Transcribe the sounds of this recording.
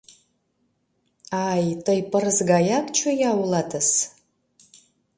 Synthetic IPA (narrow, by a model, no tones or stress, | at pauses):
aːjtʰʼɐjpʼɨrɨzɡajakt͡ʃʰojawlatʰɨs